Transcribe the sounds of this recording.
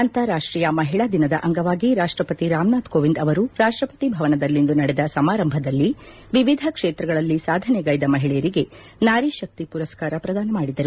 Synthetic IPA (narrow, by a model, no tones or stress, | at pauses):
ɐnt̪ɐɾaːʂʈɾiːjɐmɐɦiɭɐd̪inɐd̪ɐʔɐŋɡɐʋaːɡiɾaːʂʈɾɐpɐt̪iɾaːmnaːt̪koːʋind̪ɐʋɐɾuɾaːʂʈɾɐpɐ̥t̪ibʱɐʋɐnɐd̪ɐlːind̪unɐɽɛd̪ɐsɐmaːɾɐmbʱɐd̪ɐlːi | ʋiʋid̪ʱɐkʂeːt̪ɾɐɡɐɭɐlːisaːd̪ʱɐnɛɡɐjd̪ɐmɐɦiɭɛjɐɾiɡe̞ | naːɾiʃɐk̚t̪ipuɾɐskaːɾɐpɾɐd̪aːnɐmaːɽid̪ɐɾu